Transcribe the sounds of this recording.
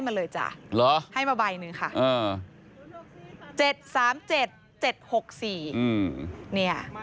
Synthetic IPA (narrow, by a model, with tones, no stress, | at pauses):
jma˧nlɤː˧jt͡ɕa̰˨˩lɔ˦˥ha˥˩jmaː˧baː˧jnɯ˧ŋkʰa˥˩ʔʔəː˧˩ | t͡ɕe˨˩t̪̚saː˩˦mt͡ɕe˨˩t̪̚ | t͡ɕe˨˩t̪̚ho˨˩k̚siː˨˩ɯː˩ni˥˩ɐ